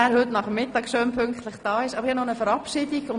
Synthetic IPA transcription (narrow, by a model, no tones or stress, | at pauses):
ɛɾhʏtnɑχəmːɪtɑːksøːmpʰʏŋktləχd̥ɑːɪʃɑbəɾhɛnɔnəfəɾɑpʃiːdiɡʊn